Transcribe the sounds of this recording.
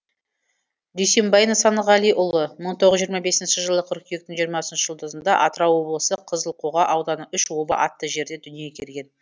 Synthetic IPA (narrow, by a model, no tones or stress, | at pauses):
d̪yjse̞mbɑjənəsɑnəʁɑlijʔʊlˠəməɴt̪ʰoʁəzʒijːɾmɑbe̞sɪnʃɪʒəlˠəqʰʏɾkʲʰije̞k̚t̪ɪŋʒijəɾmɑsənʃə̥ʒəlˠd̪əzənd̪ɑ̰ʔɑt̪ɾɑwo̞blˠəsəqʰəzəlˠqʰoʁɑʔɑwd̪ɑnəʔʏʃwo̞bɑ̰ʔɑt̪ːəʒe̞ɾd̪e̞d̪ʏnije̞kʲʰe̞lɡʲe̞n